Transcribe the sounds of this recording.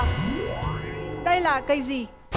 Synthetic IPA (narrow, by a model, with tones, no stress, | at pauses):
ɗə˧jla̰ː˨˩kə˧jzi˨˩